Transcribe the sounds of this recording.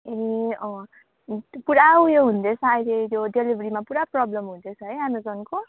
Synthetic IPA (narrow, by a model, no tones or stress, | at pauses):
eʌ̃ | puɽawjoɦund̪et͡sʰʌajlet̪joɖelibʱɾimapuɽaprʌblʌmɦund̪et͡sʰʌɦʌjanod͡zʌnko